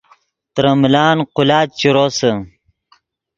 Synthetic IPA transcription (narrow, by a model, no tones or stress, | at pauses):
t̪ɾəmlaːnqʊlaːt̪̚t͡ɕiɾosə